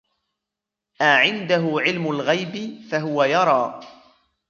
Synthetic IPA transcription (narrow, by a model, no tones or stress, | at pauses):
ʔaʕɪnd̪aɦʊʕɪlmʊlɣajbɪfaɦʊwajɑɾˤɑː